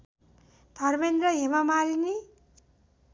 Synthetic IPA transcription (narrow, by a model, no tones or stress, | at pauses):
d̪ʱʌrmend̪ɾʌɦemamaɾini